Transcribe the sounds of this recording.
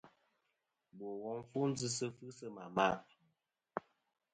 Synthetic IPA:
bo˨wɔ˦ŋfu˦n̩˦d͡zɨ˦sə˦fɨ˦sə˦ma˨ma˦˨

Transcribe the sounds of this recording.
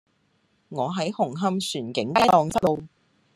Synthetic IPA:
ŋɔː˨˧ɦɐ˨˥jhʊ˨˩ŋɦɐ˧msyː˨˩nkɪ˨˥ŋkaː˥ɔː˨˧ŋsɐ˥t̚lo˧w

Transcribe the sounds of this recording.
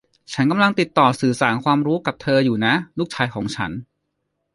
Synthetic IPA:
t͡ɕʰa˦˥nka˧mla˧ŋt̪i˨˩t̪ːɔː˨˩sɯː˨˩saː˩˦nkʰwaː˧mɾuː˦˥ka˨˩p̚t̪ʰɤː˧juː˨˩na˦˥nuː˥˩k̚t͡ɕʰaː˧˥jkʰɔː˩˦ŋt͡ɕʰa̰˦˥n

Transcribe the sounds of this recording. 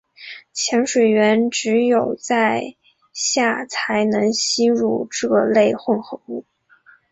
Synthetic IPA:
t͡ɕʰjɛ˧˥ŋʂwe˨˩ɪɥɛ˧˥nʈ͡ʂɻ̩˧˥jo˨˩ʊt͡sa˥˧ɪ | ɕja˥˩t͡sʰa˧˥ɪnɤ˧˥ŋɕi˥ɻu˥˧ʈ͡ʂɤ˥˩le˥˧ɪxʊ˥˧ŋxo˧˥ŋu˥˩

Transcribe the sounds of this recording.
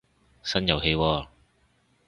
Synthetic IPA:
sɐ˥njɐ˨˧wɦe˧jwɔː˧

